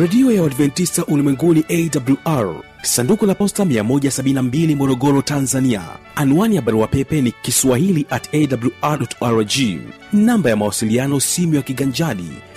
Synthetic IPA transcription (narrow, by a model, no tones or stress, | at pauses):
ɾɛɗiɔjawadvɛntistaʔulimwɛŋɡuniʔɛdabuluʔaɹ | sandukulapɔstamiamɔʄasaɓininambilimɔɾɔɡɔɾɔtanzania̰ | anuwaniaɓaɾuwapɛpɛnikiswahiliʔatɛdabluaɗɔtaɾd͡ʒi | nambajamawasilianɔsimiwakiɠaɲd͡ʒaɗḭ